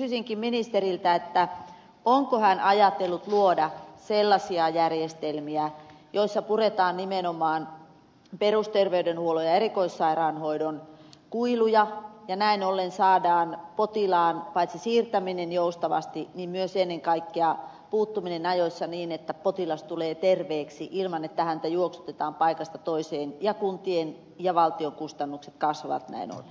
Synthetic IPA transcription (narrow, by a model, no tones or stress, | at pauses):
ksysiŋkimminist̪erilt̪æet̪ːæ | oŋkohænʔɑjɑt̪elːut̪luodɑselːɑsiɑjærjest̪elmiæ | joisːɑpuret̪ɑːnnimenomɑːn | perust̪erʋeydenhuolojɑerikoisːɑirɑːnhoidonkuilujɑjɑnæinolːensɑːdɑːnpot̪ilɑːnpɑit̪sisiːrt̪æminenjoust̪ɑʋɑ̰st̪inimmyøsenːeŋkɑikːeɑ | puːt̪ːuminenɑjosʲːɑniːnet̪ːæpot̪ilɑst̪uleːt̪erʋeːksiʔilmɑnet̪ːæhænt̪æjuoksu̥t̪et̪ɑːmpɑikɑst̪ɑt̪oiseːnjɑkunt̪ien | jɑʋɑlt̪ioŋkust̪ɑnːukset̪kɑsʋɑʋɑ̰t̪næ̰ino̰lːe